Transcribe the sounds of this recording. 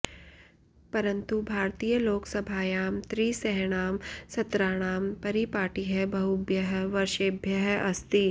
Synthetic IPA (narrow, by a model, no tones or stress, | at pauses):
pɐɾə̃nt̪ubʱaːɾt̪ijəloːksɐbʱaːjaːmt̪ɾiːsɛɦɽ̃aːmsɐt̪ɾaːɽ̃aːmpɐɾipaːʈiɦɛbʱɐɦubjəɦʋɐɾʃeːbʱjəɦʔɐst̪i